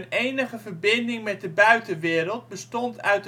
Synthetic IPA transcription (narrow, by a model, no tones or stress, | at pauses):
nejnəχəvərbɪndɪŋmɛt̚dəbœɥtəʋɪːɾəlˠt̚bəstɔntœ̰ɥt